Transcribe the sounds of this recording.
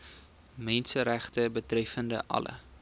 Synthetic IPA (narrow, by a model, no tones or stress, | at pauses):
mɛnsəɾæχtəbətrɛfəndə̰ʔɐ̰lʔə̰